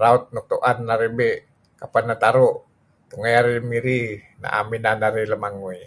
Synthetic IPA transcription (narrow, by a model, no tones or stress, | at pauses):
raut̪̚nuk̚t̪uʔanːaɾebeʔ | kapanːat̪aɾoʔ | t̪uŋajaɾimiɾi | na̰ʔa̰minanaɾiləmaŋui